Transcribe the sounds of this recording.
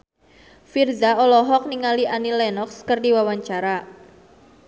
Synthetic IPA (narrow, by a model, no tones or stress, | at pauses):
firzaɔlɔɦɔk̚niŋaliʔanilɛnɔkskɨrdiwawaɲt͡ʃaɾa